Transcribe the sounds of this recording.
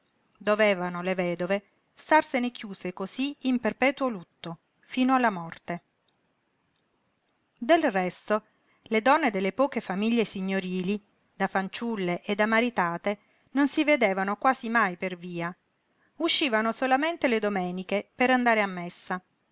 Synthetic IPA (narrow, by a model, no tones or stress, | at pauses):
d̪oveːvanolevɛːd̪ove | st̪arsenekjuːsekoziimperpɛːt̪wolut̪ːo | fiːnoalːamɔrt̪e | d̪elrɛst̪o | led̪ɔnːed̪elːepɔːkefamiʎːesiɲːoɾiːli | d̪afant͡ʃulːeʔed̪amaɾit̪aːt̪e | nonsived̪eːvanokwaːzimajperviːa | uʃːiːvanosolament̪eled̪omɛːnikepeɾand̪aːɾeamːesːa